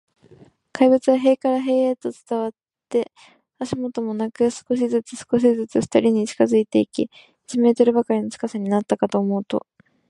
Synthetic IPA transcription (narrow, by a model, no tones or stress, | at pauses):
kʰaibɯ̟t͡sɨβaɦe̞ːkaɾaɦe̞ːet̪o̞t͡sɨ̥t̪aβat̪ːe̞ | aɕimo̞t̪o̞mo̞nakɯ̟sɨ̥ko̞ɕ̬izɨt͡sɨsɨ̥ko̞ɕ̬izɨt͡sɨft̪aɾʲiɲ̟it͡ɕi̥kazɨit̪e̞ikʲi | d͡ʑime̞ːt̪oɾɯ̟bakaɾʲino̞t͡sɨ̥kasaɲ̟inat̪ːakat̪o̞ːmo̞ɯ̟t̪o̞̰